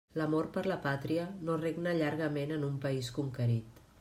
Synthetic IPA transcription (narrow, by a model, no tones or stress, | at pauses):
ləmoɾpəɾləpat̪ɾiənoreɡnəʎaɾɣəmenənumpəiskuŋkəɾit̪